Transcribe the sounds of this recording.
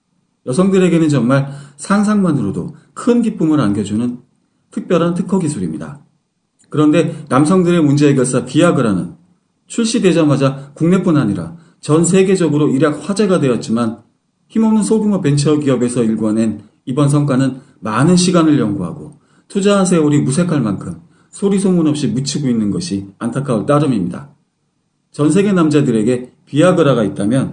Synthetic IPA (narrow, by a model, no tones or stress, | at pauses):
jʌsʰʌŋdɯɾe̞ɡe̞nɯnt͡ɕʌŋmaɭsʰaŋs̬ʰaŋmanɯɾodo̰ | kʰɯnɡip͈umɯɾanɡjʌd͡ʑunɯn | tʰɯk̚p͈jʌɾɦantʰɯkʰʌɡisʰuɾimɲida̰ | kɯɾʌnde̞namsʰʌŋdɯɾe̞mund͡ʑe̞ːɡʌsʰʌpiaɡɯɾanɯ̰n | t͡ɕʰuɭɕ͈ide̞d͡ʑamad͡ʑakuŋne̞p͈unaɲiɾa̰ | t͡ɕʌns̬ʰe̞ɡe̞d͡ʑʌɡɯɾoiɾjak̚ɸwad͡ʑe̞ɡadwe̞jʌt̚t͡ɕ͈iman | çimonɯnsʰoɡimʌpe̞nt͡ɕʰʌɡiʌbe̞sʰʌiɭɡwʌne̞n | ibʌns̬ʰʌŋk͈wanɯn | manɯnɕʰiɡanɯɭjʌŋɡuɦa̰ɡo | tʰud͡ʑaɦansʰe̞oɾimusʰe̞kʰaɭmankʰɯm | sʰoɾisʰomunʌp̚ɕ͈imut͡ɕʰiɡoinːɯnɡʌɕʰiantʰakʰaoɭt͈aɾɯmimɲida̰ | t͡ɕʌns̬ʰe̞ɡe̞namd͡ʑadɯɾe̞ɡe̞piaɡɯɾaɡait̚t͈amjʌn